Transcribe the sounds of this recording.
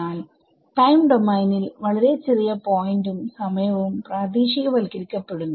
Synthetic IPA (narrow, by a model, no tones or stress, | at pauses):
aːl | ʈɐjmɖomɐjnilʋɐɭɐɾe̞t͡ɕerijɐpo̞ːjndumsɐmɐjɐʋɐʋumpraːd̪iːɕiɣɐʋɐlkiɾikʲːɐpːe̞ɽunːu